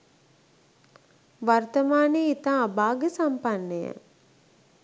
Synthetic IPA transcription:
ʋart̪əmaːneit̪aːbaːɡəsampanːəjə̰

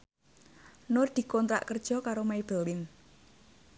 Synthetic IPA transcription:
nʊrd̪̥i̤kɔnt̪ɾa̰ʔkərd̥ʒ̥ɔ̤kaɾomaib̥əlɪn

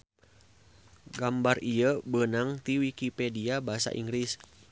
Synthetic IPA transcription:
ɡambarijəbənaŋt̪iwikipediabaɦasa̰ʔḭŋɡɾis

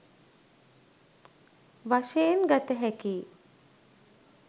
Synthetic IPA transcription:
ʋaʃejenɡat̪əɦɛkiː

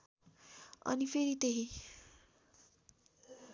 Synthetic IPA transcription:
ʌ̰nipʰeɾit̪eɦĩ

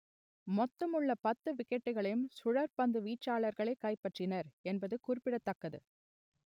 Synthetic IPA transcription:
mɔt̪ːɐmɯɭːɐpɐt̪ːɯʋɪkːɛʈːɯɣɐɭɐjɯmsʊɻɐɾpɐnd̪ɯʋiːʈt͡ʃːaːɭɐɾɣɐɭɐɪkːɐɪpːɐʈrɪnɐɾɛnbɐðɯkʊɾɪpːɪɽɐt̪ːɐkːɐðɯ̰

